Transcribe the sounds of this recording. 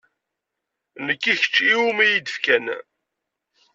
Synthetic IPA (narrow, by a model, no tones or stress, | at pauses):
nəkːiçə̥t͡ʃːiumæjid̪əfkæn